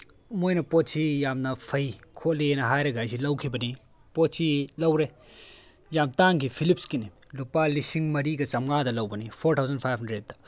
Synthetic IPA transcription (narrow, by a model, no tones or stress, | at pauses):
mojnɐpott͡ʃʰijaːmnɐpʰɐjkʰolienɐɦaːjɾɐɡajsʰilɐwkʰibɐni | pott͡ʃʰilɐwɾe | jaːmt̪aːŋkipʰilipskinilupalisiŋmɐɾikɐt͡sɐmɡaːd̪ɐlɐwbɐnipʰoːɾtʰawzɐnpʰajbɦɐnɖɾeɖ̚t̪ɐ̥